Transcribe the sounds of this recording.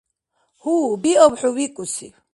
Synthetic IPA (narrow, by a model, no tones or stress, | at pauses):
hubiɔbħuwikʼusi